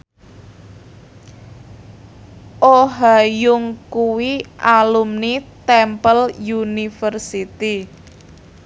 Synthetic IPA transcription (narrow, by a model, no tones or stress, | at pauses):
ʔoɦajʊŋkuwiʔalumnit̪ɛmpəljunifərsit̪i